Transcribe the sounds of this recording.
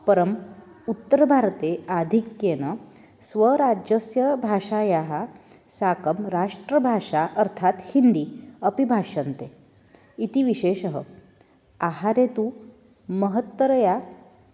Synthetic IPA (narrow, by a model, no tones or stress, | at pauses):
pəɾəm | ut̪ːəɾbʱaɾt̪ead̪ʱikjenə | sʋəɾad͡ʑəsjəbʱaʂajaɦasakəmɾaʂʈɾəbʱaʂaʔəɾt̪ʰat̪hind̪iːəpibʱaʂənt̪e | it̪iːʋiɕeɕəɦə | aɦaɾet̪u | məɦət̪ʋəɾja